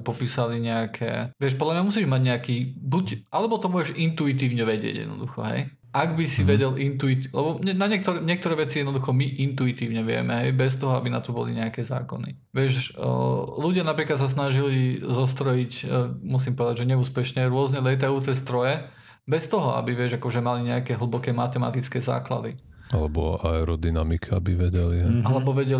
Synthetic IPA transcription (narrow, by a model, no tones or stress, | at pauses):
pɔpiːsaliɲɛakʰɛ̰ʋɪɛʃpɔd̪lamɲamusiːʒmaɟɲɛakiːbuɟʔalɛbɔt̪ɔmʊɔʒɛʃint̪uit̪iːʊɲɛʋɛɟɪɛ̰ɟj̰̪nɔ̰d̪uxɔ̰ɦɛ̰j | ʔaɡbisiʋɛɟɛlʔint̪uit̪lɛbɔɲɛnaɲɪɛk̚t̪ɔɾɛɲɪɛk̚t̪ɔɾɛːʋɛt͡sijɛd̪nɔd̪uxɔmiʔint̪uit̪iːʊɲɛʋɪɛ̰mɛɦɛjbɛs̬t̪ɔɦɔabina̰t̪ɔbɔ̰liɲɛakɛza̰ːkɔ̰nḭ | ʋɪɛʃ | luɟɪanapɾiːklat̪s̬as̬naʒilizɔs̬t̪ɾɔjicmus̬iːmpɔʋɛd̪aɟʒɛɲɛuːspɛʃɲɛɾʊɔznɛlɛjt̪̬ajut͡sɛst̪ɾɔjɛ | bɛst̪ɔɦɔa̰biʋɪɛʒakɔʒɛmaliɲɛakɛɦl̩ˠbɔkɛːmat̪ɛma̰t̪it͡skɛza̰ːkla̰d̪i | alɛbɔ̰aɛɾɔd̪inamikʰabiʋɛɟɛliɛalɛbɔʋɛɟɛl